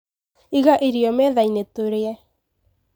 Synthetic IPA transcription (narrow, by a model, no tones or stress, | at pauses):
iɣaʔeɾiɔmɛðainet̪oɾeɛ